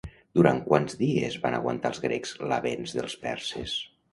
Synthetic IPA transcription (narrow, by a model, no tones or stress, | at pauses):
d̪uɾaŋkwanzðiezβanə̰ɣwənt̪alˠzɣɾekz̥ləβenzðəlˠspɛɾses